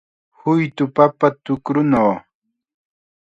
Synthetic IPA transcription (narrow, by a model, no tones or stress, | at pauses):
hʊjt̪ʊpapat̪ʊkɾʊnaw